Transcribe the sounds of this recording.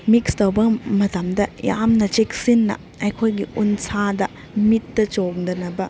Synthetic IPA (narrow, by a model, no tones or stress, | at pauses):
mikstowbɐmɐtɐmdɐja̰mnɐt͡ʃeksinːɐ̰ | ɐjkʰojɡiunsadɐ | mitːɐt͡ʃoɡdɐnɐbɐ